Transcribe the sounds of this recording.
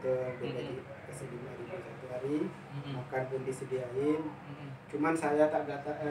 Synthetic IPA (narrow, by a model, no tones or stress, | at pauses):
t̪ubəd͡ʒadi | kəsəlimaɾibusat̪uɦaɾi | makanpundisədiaɪn | t͡ʃumansajat̪adat̪a